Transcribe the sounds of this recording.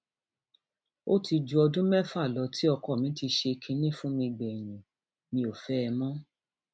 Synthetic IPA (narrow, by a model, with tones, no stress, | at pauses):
o˦ti˧d͡ʒu˧ɔ˧dũ˦mɛ˦fa˦˨lɔ˨˧tʰi˦ɔ˧kɔ˦˨mĩ˨˦ti˧ʃe˧kʰĩ˧nĩ˦˨fũ˦mĩ˧ɡ͡bɛ˨jĩ˨ | nĩ˧o˨fɛ˦ɛ˧mɔ̃˦